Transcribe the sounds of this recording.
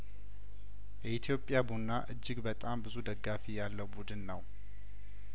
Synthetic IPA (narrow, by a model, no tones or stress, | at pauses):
jɛit̪ʰjo̞pʼːjabunːaʔɨd͡ʒːɪɡbət̪ʼambɨzud̪əɡːafijalːəwbud̪ɨnːəw